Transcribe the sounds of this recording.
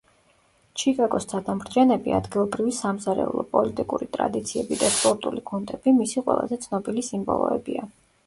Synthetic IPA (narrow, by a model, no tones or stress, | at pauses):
t͡ʃʰikʼaɡɔst̪ʰad̪amɾd̪d͡ʒɛnɛbia̰d̪ɡilˠɔbɾivisamzaɾɛ̰ṵlˠɔpʼɔlit̪ʼikʼuɾit̪ʼɾa̰d̪it̪sʰiɛbid̪aspʼɔɾt̪ʼuliɡʰunt̪ʼɛb̥imisiqʼwɛ̰lˠazɛt̪sʰnɔbilisimbɔ̰lˠɔ̰ɛbia